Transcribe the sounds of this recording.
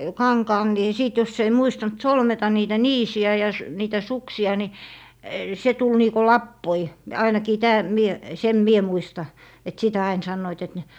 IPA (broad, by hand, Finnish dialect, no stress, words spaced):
kɑŋkɑːn ni siˑt jos ei muistɑnt solmetɑ niːtæ niːsiæ jɑ s niːtæ suksiɑ ni se tul niːko lɑpːoi ɑinɑkiː tæː mie sem mie muistɑ et sitæ ɑin sɑnːoit et ne